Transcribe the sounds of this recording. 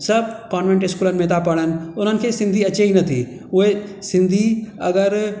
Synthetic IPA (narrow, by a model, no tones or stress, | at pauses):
sɐb̚kaːnʋẽɳʈɪskuːlənmẽt̪apɐɽənʊnɦənkʰesɪ̃nd̪ʱiɐːt͡ʃʰeinɐt̪ʰḭː | oesɪ̃nd̪ʱiɐɡəɾ